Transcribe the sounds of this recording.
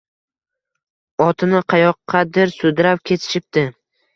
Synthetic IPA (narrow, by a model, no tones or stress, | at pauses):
ɒt̪ʰɪnɪqʰɑjɒqʰːɑd̪ɪɾsʊd̪ɾapkʲʰe̞t̪ʰɪ̥ʃɪp̚d̪ɪ